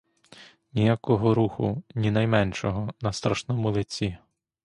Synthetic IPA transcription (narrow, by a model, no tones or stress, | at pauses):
nʲijakɔɦɔɾuxʊ̰nʲinɐjmɛnʲʃɔɦɔnɐst̪ɾɐʃnɔmʊlˠɪt͡sʲi